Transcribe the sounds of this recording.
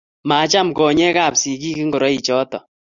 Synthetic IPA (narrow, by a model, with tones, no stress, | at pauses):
maː˨˦t͡ʃa˦mkɔː˨ɲɛ˦kaː˦˨psi˨ki˦ki˦ŋɡo˨ɾɔ˦i˨t͡ʃɔː˦tɔ̰˨